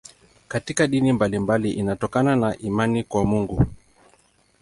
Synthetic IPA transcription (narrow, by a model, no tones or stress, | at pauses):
katikaɗinimbalimbaliʔinatɔkananaʔimanikwamuŋɡu